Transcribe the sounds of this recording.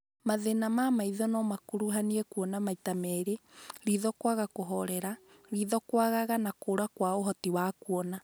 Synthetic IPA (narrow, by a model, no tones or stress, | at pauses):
maðenamamaiðɔnɔmakuɾuɦaniɛkwɔnamaitamɛɾeɾiðɔkwaɣakoɦɔɾɛɾaɾiðɔkwaɣaɣanakoːɾakwaoɦɔtiwakuɔna